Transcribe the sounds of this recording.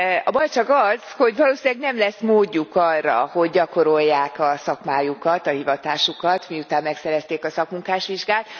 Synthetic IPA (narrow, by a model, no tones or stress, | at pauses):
ɒbɒjt͡ʃɒkɒz̥ho̞ɟʋɒloːsinɛɡnɛmlɛsmoːɟːukɒrːɒ̰ho̞ɟːɒko̞ɾo̞ljːaːkɒsɒkmaːjukɒt̪ɒhivɒt̪aːʃukɒt̪miut̪aːmːɛksɛɾɛst̪eːkɒsɒkmuŋkaːʃʋiʒɡaːt̪